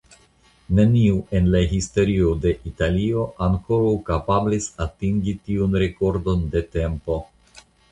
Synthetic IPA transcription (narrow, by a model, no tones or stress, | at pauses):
ne̞niue̞nlaɦisto̞ɾio̞de̞ʔitalio̞ʔaŋko̞ɾawkapablisatiŋɡitiunɾe̞ko̞ɾdo̞nde̞te̞mpo̞